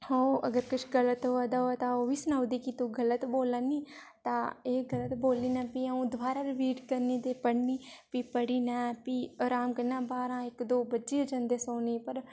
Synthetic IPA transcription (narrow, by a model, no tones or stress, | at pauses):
ɦoːɐɡəɾkʊt͡ʃʰɡɐlət̪ɦoad̪aat̪aobisʊnaːʋd̪ikit̪oɡɐlət̪boːlani | t̪aeɡɐlət̪boːlinãpiaũd̪ʋaːɾaɾɪʋiːʈkɐɾnid̪epɐɽnipipɐɽinãpiɔɾaːmkɐnãbaːɾãekd̪oːbɐtːt͡ʃiod͡ʒɐ̃nd̪esoːnipɐɾ